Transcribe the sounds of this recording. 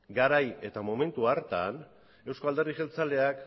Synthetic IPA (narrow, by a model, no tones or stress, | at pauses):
ɡaɾaje̞t̪amo̞me̞nt̪uaɾt̪a̰n | e̞wskoald̪e̞riʃelt͡sale̞ak